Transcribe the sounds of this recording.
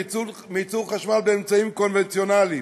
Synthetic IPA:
mit͡suʁχaʃmalbeːmt͡saimko̞nvent͡sjo̞nali

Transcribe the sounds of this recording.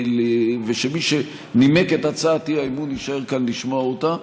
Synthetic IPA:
leveʃemiʃe | nimeketat͡saːtiaimuniʃae̞ʁkanliʃmoaota

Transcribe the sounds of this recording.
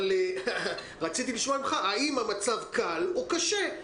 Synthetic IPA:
le | ʁat͡sit̪̬iliʃmaimχaʔaimamat͡savkalokaʃe

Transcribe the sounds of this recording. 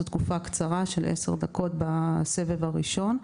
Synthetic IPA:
ot̪kufakt͡saʁaʃelʔese̞̰ʁd̪ako̞tbasevevaʁiʃo̞n

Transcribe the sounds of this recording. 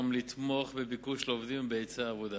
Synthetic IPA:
mlit̪mo̞χbebikuʃleovd̪imbeet͡saːvod̪a

